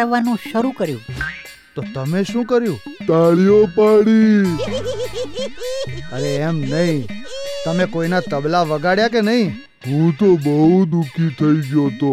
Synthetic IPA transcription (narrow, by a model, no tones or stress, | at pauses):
ʋanũʃəɾukəɾjṵ̃ | t̪ot̪əmeʃũkəɾjũt̪aɭijopaɽi | əleːmnəɦĩt̪əmekoinat̪əblaʋəɡaɽjakenəɦĩ | ɦũt̪obəɦud̪ukʰit̪ʰəiɡjot̪o